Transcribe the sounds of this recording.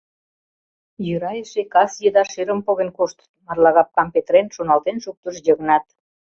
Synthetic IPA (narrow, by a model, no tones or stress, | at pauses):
jøɾɑjeʃekɑsjəd̪ɑʃeɾə̆mpoɣenkoʃt̪ə̥mɑrlɑɣɑp̚kɑmpet̪ɾenʃonɑlt̪enʃuk̚t̪əʃjəɣnɑt̪